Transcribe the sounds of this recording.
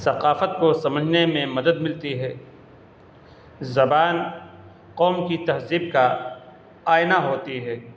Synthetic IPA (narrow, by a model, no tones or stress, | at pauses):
sɐqaːfət̪̚kosɐməd͡ʒʱnemẽmɐd̪əd̪mɪlt̪iɦɛː | zɐbaːn | qɔːmkit̪ɐɦziːb̚ka | aːɪnaɦoːt̪iɦɛː